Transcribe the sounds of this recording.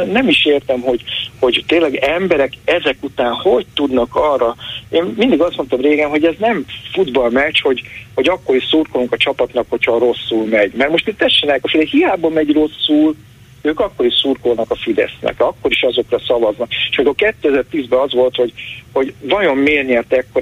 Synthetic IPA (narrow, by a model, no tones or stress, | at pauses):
nɛmiʃeːrt̪ɛmho̞ɟho̞ɟt̪eːlːɛɡɛmbɛɾɛkɛzɛkut̪aːnhoɟt̪ud̪nɒkɒrɒeːnːind̪iɡɒst̪mo̞nt̪ɒmreːɡɛmɦo̞ɟɛznɛɱfud̪bɒlmɛt͡ʃho̞ɟho̞ɟɒkːo̞ɾiʃsuːrkoluŋkɒt͡ʃɒpɒt̪nɒkho̞cʰhɒɾo̞sːulmɛɟmɛrmo̞ʃt̪it̪t̪ɛʃːenɛːɛkɒfid̪ɛhijaːbɒmɛɟro̞sːul | øːkɒkːo̞ɾiʃsurkolnɒkɒfid̪ɛ̰snɛ̰kɒkːo̞ɾiʃɒzo̞krɒsɒvɒznɒkʃmikolkɛt̪ːøɛzɛrt̪iːzbɛɒzʋo̞lt̪ho̞ɟho̞ɟvɒjo̞mːeːrniɒt̪ɛkːo